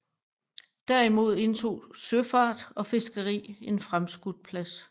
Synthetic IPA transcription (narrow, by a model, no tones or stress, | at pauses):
d̥æɐimo̝ð̰ˠe̝nt͡sʰo̝̰ːsøfɑ̈ːd̥ɒ̽fe̝sɡ̥əʁḭːe̝nfʁamsɡ̥ud̥̚pʰlæs